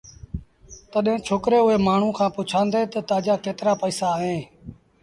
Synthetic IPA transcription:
t̪əɗɦẽːt͡ʃʰoːkɾeːʊɦeːmaːɳ̤ũːkʰãːpʊt͡ʃʰãːnd̪eːt̪ət̪aːd͡ʒaːkeːt̪ɾaːpəiːsaːɦẽː

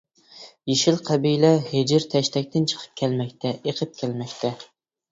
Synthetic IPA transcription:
jeʃɪlqʰæbijlɛhed͡ʒɪɾt̪ʰɛʃt̪ʰɛk̚ʲt̪ʰɪnt͡ʃʰə̥qʰə̥p̚kʲʰælmɛk̚ʲt̪ʰɛeqʰəp̚kʲʰælmɛkʲt̪ʰɛ

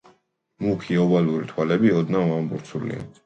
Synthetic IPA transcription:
mukʰiɔbaluɾit̪ʰwalɛbiɔd̪navambuɾt̪sʰulḭa̰

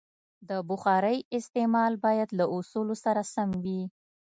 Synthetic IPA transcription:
d̪əbʊxɑɾəjɪst̪emɑlbɑjad̪laʔʊsulosaɾasamwi

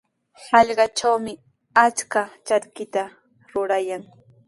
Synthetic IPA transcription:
hɑʎɢɑt͡ʃawmɪ | at͡ʃkat͡ʃaɾkɪt̪a | ɾʊɾajaŋ

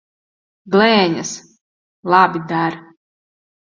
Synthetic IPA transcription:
ɡlˠɛːɲʲas | lˠabʲid̪aɾ

